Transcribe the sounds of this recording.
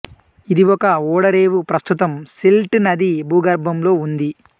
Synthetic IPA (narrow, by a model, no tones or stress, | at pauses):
id̪iʋɔkɐɔːɽɐɾeːʋupɾɐst̪ut̪ɐmselʈnɐd̪ibuːɡɐɾbʱɐmlo̞ːund̪i